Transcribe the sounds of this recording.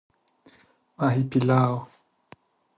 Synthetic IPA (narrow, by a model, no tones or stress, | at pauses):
maɦipilao